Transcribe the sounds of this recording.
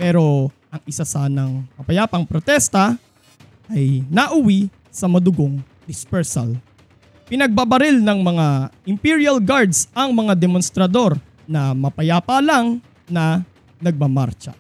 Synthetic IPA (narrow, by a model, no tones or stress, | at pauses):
pɛːɾo̞ | ʔɐŋʔɪsasaːnɐŋmɐpɐjaːpɐŋpɾot̪ɛst̪ɐ | ʔɐjnɐʔʊwi | sɐmɐd̪ʊɡoŋ | d̪ɪspɛɹsɐ̰l | pɪnɐɡ̚babɐɾɪlnɐŋmɐŋaʔɪmpiɹiɐlɡaɹd̪sʔɐŋmɐŋad̪ɛmonst̪ɾɐd̪o̞ɾ | nɐmɐpɐjaːpalaŋ | nɐ | nɐɡ̚mɐma̰ɾt͡ʃɐ̰